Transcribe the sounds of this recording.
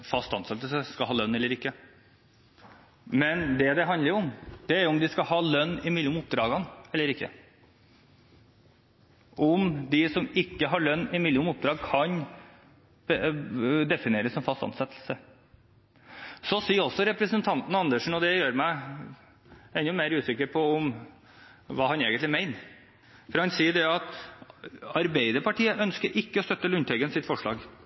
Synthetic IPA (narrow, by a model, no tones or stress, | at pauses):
fɑst̪ɑnsɛt̪ːəlsəskɑlhɑːlœnːɛlːəɾɪkːə | mɛnd̪ɛd̪ɛɦɑnd̪əɾjʊʊmd̪̥ɛæɾjʊʊmd̪ɪskɑɦɑːlœnːɪmɪlːʊmʊp̚d̪ɾɑːɡɑnɛlːəɾɪkːə̰ | ʔɔmd̪ɪsɔmɪkːəɦɑɭœnːɪmɪlːɪʊmʊp̚d̪ɾɑːɡ̚kʰɑn | b | d̪ɛfɪneːɾəsɔmfɑst̪ɑ̰nsɛt̪ːl̩sə | sɔsiːɔsːɔɾɛpɾəsənt̪ʰɑnt̪n̩ɑnd̪əʂɳ̩ɔd̪ɛjøːɾmæɪ | ɛnːʊmeɪɾʉːsɪkːəɾpʰɔɔm | ʋɑːɦɑneːɡənt̪lɪmæɪn | fɔɾhɑnsiːəɖɛɑt̪ | ɑɾbeɪd̪əɾpɑʈʰiːəʔœnskəɾʔɪkːəɔst̪œt̪ːəlʉnt̪ʰɛɡənsɪt̪fɔʂɭɑ̰ːɡ